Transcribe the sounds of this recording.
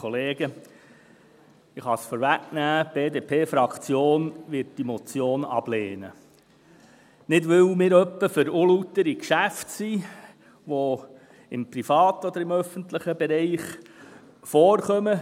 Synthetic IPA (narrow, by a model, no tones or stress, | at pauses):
oleːɡə | ɪχɑsfɔːɾʋæknæːb̥eːd̪eːpʰeːfɾɑkt͡sjoːnʋɪt̚d̥imɔt͡sjoːnɑ̰b̥leːnə | nɪdʋʏwmɪːɾœpːəfʏɾolut̪ːəɾikʃæftsi | ʋo | ɪmpɾifɑːt̪ɔd̪əɾɪmœfənt̪ləχəbɛɾɛɪχ | fɔːɾχœmə